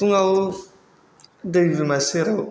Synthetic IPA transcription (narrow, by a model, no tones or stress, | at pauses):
uŋaw | davimaseɾa